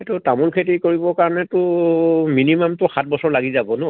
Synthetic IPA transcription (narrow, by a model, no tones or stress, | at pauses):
ɛtʊtamulkʰetikoɹibɔkaɹɔnɛtʊminimamtʊxat̚bɔsɔɹlaɡizabɔnʊ